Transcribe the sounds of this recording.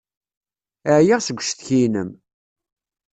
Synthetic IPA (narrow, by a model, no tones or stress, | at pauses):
əʕjiʁsəɡʷːʃθçinəm